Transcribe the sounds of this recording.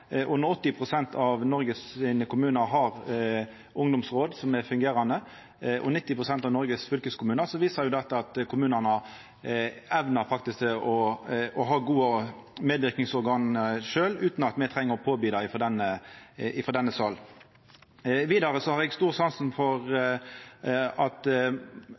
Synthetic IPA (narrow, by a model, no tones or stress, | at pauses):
ʔʉnəɾɔt̪ːɪpʰʁʊsɛnt̪ʰɑʋnɔɾɡəssɪnəkʰʊmʉːnəɾɦɑʁ | ʊŋd̪ʊmsʁoːd̪sɔmɛʁfʉŋɡeːɾɑnd̪ə | ʔɔ̰nɪt̪ːɪpʰɾʊsɛnt̪ɑʋnɔɾɡəsfʏlkəskʰʊmʉːnəʁsɔʋiːsɑɾjʊd̪ɛt̪ːəɑt̪kʰʊmʉːnənə | ɛʋnəɾfɑk̚t̪ɪskt̪ɛʔɔɔɦɑːɡuːə | meːd̪ʋɪʁknɪŋsɔɾɡɑːnʂøːlʉːt̪n̩ɑt̪mɛɪt̪ʰʁɛŋːəʁɔpʰoːbiːd̪ɑɪɪfɔd̪ɛnːəɪfɔd̪ɛnːəsɑl | ʋiːd̪ɑɾəsɔhɑɾɛɡst̪uːʁsɑnsn̩fɔʁ | ɑt̪